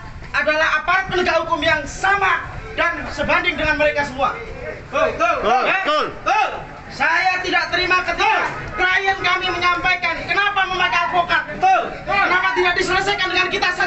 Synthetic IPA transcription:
ʔadalahapamələɡahukʊmjaŋsamadansəbandɪŋdəŋanməɾekasəmua | t̪aət̪ʊlt̪l | sajat̪idaʔt̪əɾimakət̪iakɾajənkamiməɲampajkankənapaməmakalpokat̪̚t̪l | kənapat̪idaʔ̚disələsajkandəŋankit̪asə

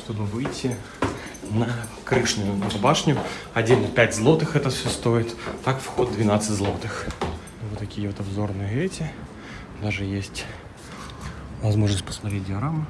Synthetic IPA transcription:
ʂt̪obɨvɨjtʲːi | nɐkɾɨʂnʲʊjʊɐbaʂnʲʊɐdʲelʲnɐpʲætʲzlˠot̪ɨxɛt̪ɐfsʲost̪ojɪt̪ʲt̪akfxɔd̪̚ːvʲɪnat̪sːɨzlˠɔt̪ɨx | ivɔt̪ɐkʲijɛɔt̪abzornɨjəɛtʲɪ | d̪aʐɨjesʲtʲ | vɐzmɔʐnsʲpɐ̥smɐt̪ɾʲetʲdʲɪɐɾamɨ

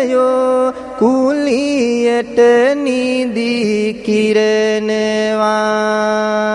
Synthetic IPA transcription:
jo | kulijəʈənid̪ikiɾənəʋa

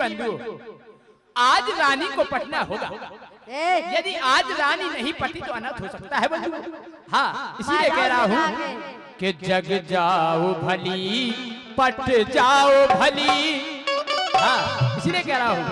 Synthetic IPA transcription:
bɐ̃nd̪ʱu | aːd͡ʒɾaːnikopɐʈʰnaɦoːɡa̰ː | jɐd̪iʔaːd͡ʒɾaːninɐɦĩpɐʈʰit̪oɐnə̃t̪ɦosɐk̚t̪aɦɛbɐ̃nd̪u | ɦãːɪsiliekɛɦɾɐɦaɦo | ked͡ʒɐɡd͡ʒaːobʱɐli | pɐʈʰd͡ʒaːobʱɐli | ɦãːɪsiliekɛɦɾɐɦaɦoː

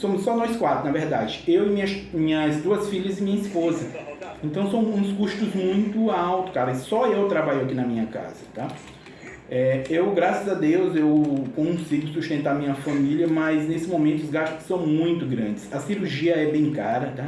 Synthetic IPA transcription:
sõmʊsːɔnɔjskwat̪ɾʊnɐveɾd̪ad͡ʒɪewɪmĩɲɐmĩɲɐzd̪uɐsfiʎɐzɪmĩɲɐispozɐẽnt̪ɐ̃w̃sɐ̃w̃ũskuʃt̪ʊzmũj̃t̪ʊawt̪ʊ̥kaɾɐsɔewt̪ɾabaʎakinɐmĩɲɐka̰z̥ɐt̪a | ɛewɡɾasɐzɐd̪ewzewkõsiɡʊsuʃt̪ẽnt̪aɾmĩɲɐfɐ̃miljɐmɐjznesɪmõmẽnt̪ʊzɡaʃt̪ʊ̥sːɐ̃w̃mũj̃t̪ʊɡɾɐ̰̃d͡ʒɪsɐsiɾuɾʒiɐɛbẽj̃kaɾɐt̪a

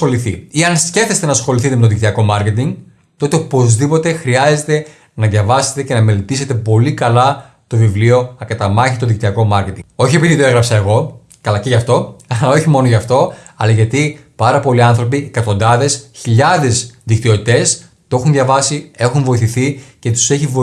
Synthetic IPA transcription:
xo̞liθḭiɐnsce̞fθe̞st̪e̞nɐsxo̞liθit̪emet̪oðik̚t̪iɐko̞mɐɾce̞t̪iŋɡ | t̪o̞t̪eopo̞zðipo̞t̪e̞xɾiɐze̞t̪e̞ | nɐðʝɐvɐse̞̥t̪e̞ce̞nɐme̞le̞t̪ise̞t̪e̞po̞likɐlɐ | t̪o̞vivlio̞ɐkɐt̪ɐmɐçit̪o̞ðik̚t̪iɐko̞mɐɾce̞t̪iŋɡo̞çie̞piðit̪oeɣɾɐpsɐe̞ɣo̞ | kɐlɐceʝɐft̪o̞ɐlɐo̞çimo̞noʝɐft̪o̞ɐlɐʝɐt̪ipɐɾɐpo̞liɐnθɾo̞piekɐt̪o̞nd̪ɐðe̞sçiʎɐðe̞zðikt̪io̞t̪it̪e̞s | p̪oe̞xunðʝɐvɐsie̞xunvo̞iθiθice̞t̪u̥se̞çivo

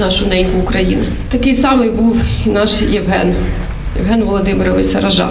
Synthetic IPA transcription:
nɑʃʊnɛinʲkʊʊkɾɐjinɐ | t̪ɐkɪjsɑmɪjbuwinɑʃjɛwɦɛn | jɛ̰ʋɦɛnʋɔlˠɔd̪ɪmeɾɔʋɪsʲɐɾɐʒɑ̰

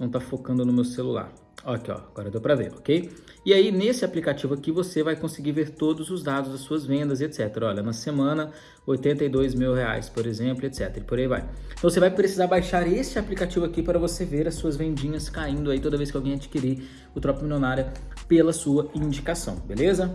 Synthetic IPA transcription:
nɐ̃w̃t̪afokɐ̃nd̪ʊnʊmewselula̰ɾ | ɔkɔ̰aɡɔɾɐd̪owpɾɐvḛɾɔkej | ɪainesɪaplikat͡ʃivʊakivosevajkõsɪɡiveɾt̪od̪ʊzʊzd̪ad̪ʊzd̪ɐsuɐzvẽnd̪ɐzet̪sɛt̪eɾɐɔʎɐnɐsemɐ̃nɐ | ojt̪ẽnt̪ɐid̪ojzmiwhea̰jspoɾezẽmplʊet̪sɛt̪eɾɐpoɾaiva̰jt̪ɐ̃vosevajpɾesizaɾbajʃaɾesɪaplikat͡ʃivʊakipaɾɐvoseveɾɐsuɐzvẽd͡ʒĩɲɐskaĩnd̪ʊait̪od̪ɐvejs̬kɪawɡẽj̃ad͡ʒikiɾi | ʊt̪ɾɔpɐmiljonaɾjɐpelɐsuɐĩd͡ʒikasɐ̃w̃belezɐ

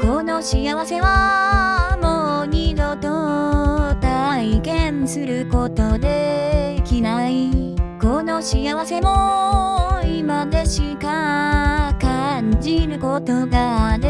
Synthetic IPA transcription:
konoɕiaβase̞βa | moɲid̪ot̪o | t̪aikẽnsɨɾɯ̟kot̪od̪e̞kʲinaikonoɕiaβase̞mo | imad̪e̞ɕika | kaɲd͡ʑiɾɯ̟kot̪od̪ad̪e

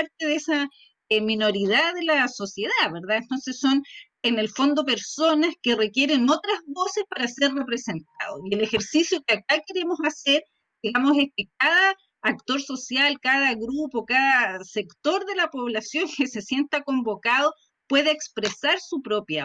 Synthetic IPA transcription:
paɾt̪eðesa | mino̞ɾið̞aðelasosje̞ðaβeɾðaent̪o̞nsesːo̞n | enelfo̞nd̪ope̞ɾso̞naskerekje̞ɾe̞not̪ɾazβo̞sespaɾaserrepɾese̞nt̪̚a̰ðoielexe̞ɾsisjokeakake̞ɾe̞mo̞saseɾ | d̪iɣamoseskek̚aðaː | k̚t̪o̞ɾso̞sjalkaðaɣɾupokaðasekt̪o̞ɾðe̞lapo̞βlasjo̞ŋkese̞sje̞nt̪ako̞mbo̞kaðo | pwe̞ðaekspɾesaɾsupɾopja

